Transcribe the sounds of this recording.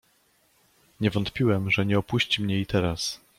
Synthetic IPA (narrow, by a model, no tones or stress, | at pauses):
ɲɛvɔnt̪pʲiwɛmʐɛɲɛɔpuɕt͡ɕimɲɛit̪ɛɾas